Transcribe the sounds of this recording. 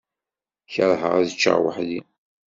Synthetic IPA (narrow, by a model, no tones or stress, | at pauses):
çəɾˤɦəʁæðət͡ʃːə̰ʁwə̰ħði